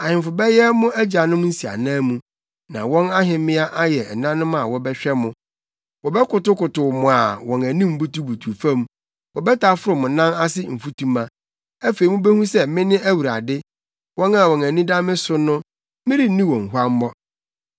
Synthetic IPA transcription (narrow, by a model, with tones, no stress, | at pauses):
a˨hɪ̃˨m˨fʊ˨bɛ˦jɛ˦mʊ̃˦ʔæ˦d͡ʑa˨nʊ̃˦m˦n̩˦si˨a̰˨nãː˦mũ˨ | nã̰˨wɔ̃˦na˦ɦɪ̃˨mɪ̃˦a˦ʔa˦jɛ˨nã˦nʊ̃˦ma˨wɔ˦bɛ˦ɕᶣɛ˦mʊ̃˦ | wɔ˨bɛ˦kʊ˨tʊ˦kʊ˨tʊ˨mʊ̃˨a˨wɔ̃˨næ̃˨nĩ˦m̩˦bu˦tu˦bu˨tʰu˨fã˦m | wɔ˨bɛ˦tʰa˦fʊ˦ɾʊ˨mʊ̃˨˦nã˦na˦sɪ˦m̩˨fu˦tʰũ˦mã˦ | æ˦fe˨i˨mʊ̃˦be˦hũ˦sɛ˦mɪ̃˦nɪ̃˦æ˦wu˨ɾa̰˨dɪ˦ | wɔ̃˦na˦˨wɔ̃˨næ̃˨nĩ˦da˦mɪ̃˦sʊ˦nʊ̃˦ | mɪ̃˦ɾi˦nĩ˦wɔ̃˨ŋ̩˨ɦʷu˦a˦m̩˦bɔ˦